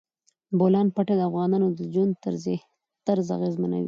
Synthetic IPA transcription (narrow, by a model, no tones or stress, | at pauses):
bolɑnpaʈad̪əafɣɑnɑnod̪əd͡ʒwand̪̚t̪əɾzeh | t̪aɾza̰ɣezmana̰wḭ